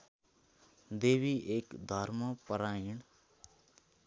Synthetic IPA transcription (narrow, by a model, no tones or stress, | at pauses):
d̪eːʋiʔeːkd̪ʱəɾməpəɾaːiɳ